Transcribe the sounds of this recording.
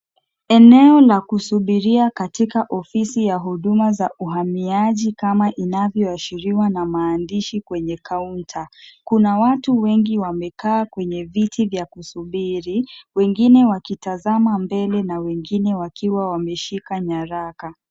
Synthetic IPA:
ɛnɛɔlakusuɓiɾiakatikaʔɔfisijaɦuɗumazaʔuɦamiaʄikamaʔinavjɔaʃiɾiwanamaːndiʃikwɛɲɛkʰauntʰakunawatuwɛŋɡiwamɛkaːkwɛɲɛvitʰivjakusuɓiɾiwɛŋɡinɛwakitazamambɛlɛnawɛŋɡinɛwakiwawamɛʃikaɲaɾaka

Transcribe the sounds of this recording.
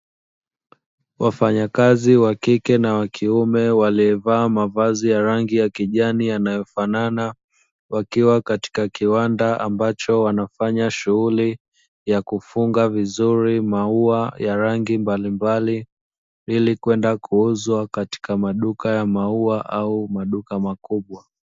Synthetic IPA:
wʔafaɲakaziwakikɛnawakʰiumɛwaliɛvaːmavazijaɾaŋɡijakiʄanijanajɔfanana | wakiwakati̥kakiwandaʔa̰mbat͡ʃɔwanafaɲaʃuɣuli | jakufuŋɡavizuɾimauajaɾaŋɡimbalimbali | ilikwɛndakʰuuzwakati̥kamaɗukajamauaʔaumaɗukamakuɓwa

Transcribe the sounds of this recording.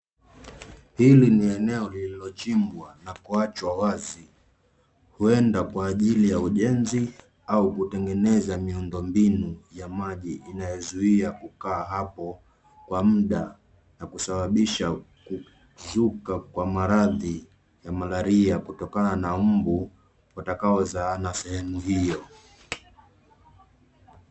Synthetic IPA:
hiliniɛnɛɔlililɔt͡ʃimbwanakuat͡ʃwawazi | huɛndakwaːʄilijauʄɛnzi | aukutɛŋɡɛnɛzamiundɔmbinujamaʄiʔːnajɛzuiakukaːɦapɔ | kwam̩ɗa | nakusaɓaɓiʃaku | zukakwamaɾaði | jamalaɾiakutɔkananam̩bu | watakaɔzaːnasɛhɛmuɦijɔ

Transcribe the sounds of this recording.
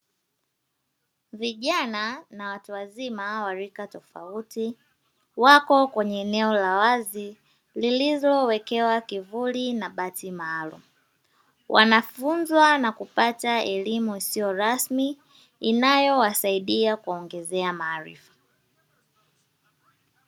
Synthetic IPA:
viʄananawatuwazimawaɾikatɔfa̰uti | wakɔkwɛɲɛːnɛɔlawazi | lilizɔwɛkɛwakivulinaɓatimaːlṵmu | wʔa̰nafunzwanakupataɛlimuisijɔɾasmi | inajɔwasaiɗiakuɔŋɡɛzɛamaːɾḭfḁ

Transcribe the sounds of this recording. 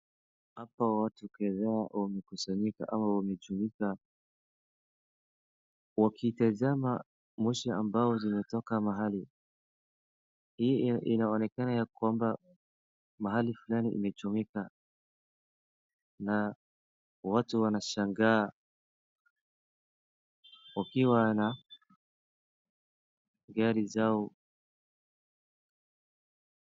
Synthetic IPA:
hapawatukɛðaawamɛkusaɲika̰ʔamawamɛt͡ʃumika | wakitazama | mɔʃaambaɔzimɛtɔkamaɦali | hiinaɔnɛkanajakwamba | maɦalifulaniʔḭmɛt͡ʃumika | na | watuwanaʃaŋɡaː | ukiwana | ɡaɾizaɔ

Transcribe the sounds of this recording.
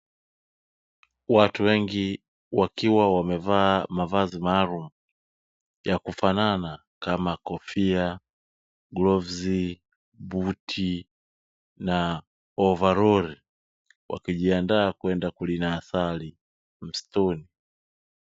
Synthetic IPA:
watuwɛŋɡi | wakiwawamɛvaːmavazimaːlumu | jakufanana | kamakɔfia | ɡlɔvzi | butʰi | na | ɔvaɾɔɾi | wa̰kiʄiandaːkwɛndakulinaːsali | m̩stɔni

